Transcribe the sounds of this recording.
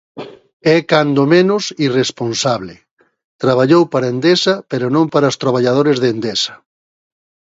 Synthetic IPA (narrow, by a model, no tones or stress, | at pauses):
ɛkand̪omenʊsiresponsaβlɪ | t̪ɾaβaʎowpaɾaend̪esɐpeɾonõmpaɾaost̪ɾaβ̞aʎað̞oɾezðend̪esɐ̥